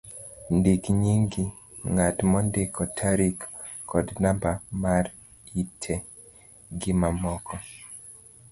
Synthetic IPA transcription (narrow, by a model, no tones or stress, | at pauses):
ndikɲiŋɡi | ŋatmɔndekɔtʰaɾikː | ɔdnambamaɾ | itʰɛ | ɡɪmamɔkʰɔ